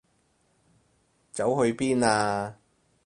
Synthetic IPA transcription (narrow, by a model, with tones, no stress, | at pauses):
t͡sɐ˨˥wɦɵ˧ɥpiː˥naː˧